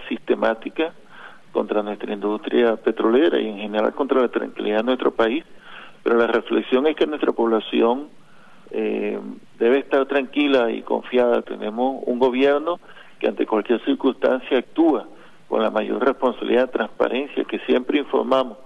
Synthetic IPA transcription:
sist̪e̞mat̪ika | ko̞̰nt̪ɾanwe̞st̪ɾaind̪ust̪ɾjape̞t̪ɾo̞le̞ɾa̰ie̞ŋxe̞ne̞ɾa̰lkont̪ɾalat̪ɾa̰ŋkiliðaðenwe̞st̪ɾo̞paispe̞ɾo̞lare̞fleksjo̞ŋe̞ske̞nwe̞st̪ɾapo̞βlasjo̞ŋ | e | d̪e̞βe̞ːst̪aɾt̪ɾaŋkilaḭko̞̰ɱfjaða̰t̪e̞̰ne̞mo̞sṵŋɡo̞βje̞ɾno̞ | keant̪e̞̰kwalkje̞ɾsiɾkust̪a̰nsjaːk̚t̪ua | ko̞̰nlamaʝo̞̰rrespo̞nsaβiliðaðet̪ɾaŋspa̰ɾʔe̞nsja̰ke̞sje̞mpɾeiɱfo̞̰ɾmamo̞s

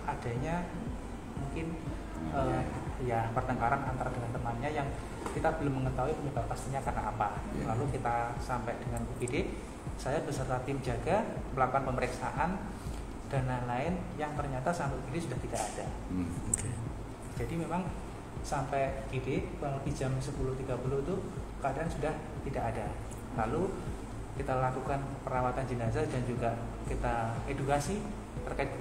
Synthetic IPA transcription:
ʔad̥aɲa | muŋkɪn | əːjapərt̪əŋkaɾana̰nt̪aɾadəŋant̪əmanɲajaŋ | kit̪abəlʊmːəŋət̪auipəɲəbap̚kast̪iɲakarnaːpalalukit̪asampɛd̥əŋankuɡidɪʔ | sajabəsərt̪at̪ɪmd͡ʒaɡaməlakuanpəməɾiksaʔan | d̥analaɪnjaŋt̪ərɲat̪asampɛɡidɪtsudaht̪idakad̥a | t̪ua | d͡ʒadimemaŋ | sampɛjkidɪkuaŋləbid͡ʒamsəpulʊht̪iɡapulʊhit̪ukəadaʔansudah | t̪idakada | lalo | kit̪alakukanpəɾawat̪and͡ʒənazadand͡ʒuɡa | kit̪aedukasi | t̪ərkaɪt̪̚

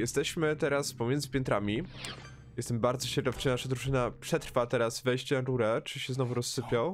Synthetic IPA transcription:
jɛst̪ɛɕmɘt̪ɛɾaspɔmʲjɛnd̪zɘpʲjɛnt̪ɾamʲi | jɛst̪ɛmbaɾd̪zɔɕɛɾdɔft͡ʂɘɲnaʂad̪ɾuʐɘnapʂɛt̪ɾfat̪ɛɾazvɛjɕt͡ɕɛnaɾuɾɛt͡ʂɘɕɛznɔvuɾɔsːɘpʲjaw

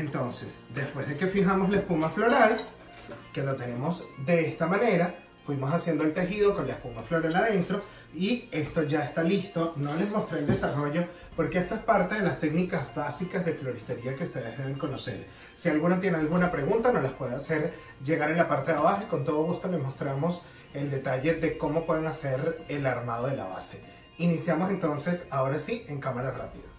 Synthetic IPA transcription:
ent̪o̞nse̞sd̪e̞spwe̞zðeke̞fixamo̞zlae̞spumaflo̞ɾal | ke̞lo̞t̪e̞ne̞mo̞zd̪e̞est̪amãne̞ɾa | fwimo̞sasje̞nd̪oelt̪e̞xiðo̞ko̞nlaespumaflo̞ɾalað̞e̞nt̪ɾo̞ | ie̞st̪o̞ʝaest̪alist̪o̞no̞le̞zmo̞st̪ɾeld̪e̞saro̞ʝo̞ | po̞ɾke̞est̪oe̞spaɾt̪e̞ðe̞last̪e̞knikazbasikazðe̞flo̞ɾist̪eɾiakeust̪e̞ðezðe̞β̞e̞ŋko̞no̞se̞̰ɾ | sialɣunot̪je̞nealɣunapɾeɣunt̪ano̞laspwe̞ðease̞ɾ | d͡ʒe̞ɣaɾenlapaɾt̪eðaβaxoiko̞nt̪o̞ð̞oɣust̪o̞le̞mo̞st̪ɾamo̞s | e̞ld̪e̞t̪aʝe̞ðe̞ko̞mo̞pwe̞ðeŋase̞ɾelaɾmað̞o̞ð̞e̞la̰βa̰se̞ | inisjamo̞se̞nt̪o̞nse̞sao̞ɾasie̞ŋkamaɾara̰piða

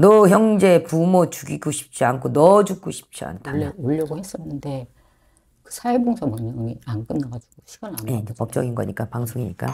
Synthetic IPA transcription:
nʌçjʌŋd͡ʑe̞pumot͡ɕuɡiɡoɕʰi̥p̚t͡ɕ͈iankʰonʌd͡ʑuk̚k͈oɕʰi̥p̚t͡ɕ͈ia̰ntʰaːeoʎːʌɡohes͈ʌnːɯnde̞ | kɯ̥sʰaeboŋsʰʌmʌɲʌiank͈ɯnːaɡad͡ʑuɡ̥oɕʰiɡananjeid͡ʑepʌp̚t͡ɕ͈ʌɡinɡʌɲik͈apaŋsʰoŋiɲik͈a̰

